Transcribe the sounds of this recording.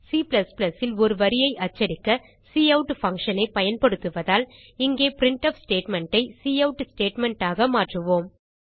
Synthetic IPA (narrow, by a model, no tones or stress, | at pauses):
siːplɐsplɐsɪlɔɾɯʋɐɾɪjɐɪʔɐt͡ʃːɐɾɪkːɐ | siːɐʊʈfɐŋkʂɐnɐɪpɐjɐnpɐɽɯt̪ːɯʋɐðaːl | ɪŋɡeːpɾɪɳʈɐfsʈeːʈmɛɳʈɐɪsiːɐʊʈːsʈeːʈmɛɳʈaːɣɐmaːʈrɯʋoːm